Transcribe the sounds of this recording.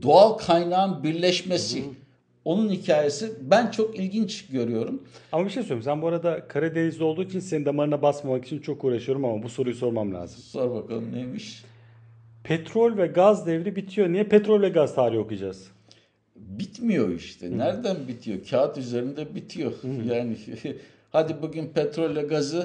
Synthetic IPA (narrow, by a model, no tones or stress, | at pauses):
d̪oalˠkʰajnaːɯnbiɾlʲɛʃmesi | o̞nunhicʰaːje̞sibænt͡ʃʰo̞kilʲɟint͡ʃɟø̞ɾyjo̞ɾumamabiʃejsølɾimsænbuaɾad̪akʰaɾɯd̪enizlʲiolˠd̪uːit͡ʃʰinsenind̪amaɾɯnabasmamaki̥t͡ʃʰint͡ʃʰo̞kuːɾaʃɯjo̞ɾumamabuso̞ɾujuso̞ɾmamlʲa̰ːzɯmsoɾbaka̰lˠɯmnemiʃ | pʰɛt̪ʰɾolʲvɛɡazd̪ɛvɾibit̪ʰijo̞nijɛpʰɛt̪ɾo̞lʲvʲɛɡazt̪ʰaːɾijo̞kud͡ʒaz̥ | bit̪mijo̞iʃt̪ʰɛnæɾd̪ænbit̪ʰijocʰaːt̪yze̞ɾind̪ɛbit̪ʰijo̞jaːnɪ | had̪ibuɟynpʰɛt̪ɾolʲːɛɡazɯ